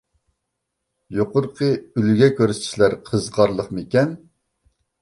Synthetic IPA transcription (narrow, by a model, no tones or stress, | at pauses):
joqʊɾqʰəylɡʲɛkʲøɾsi̥ʃlæɾqʰəzʁɑɾlˠəχmekʲɛn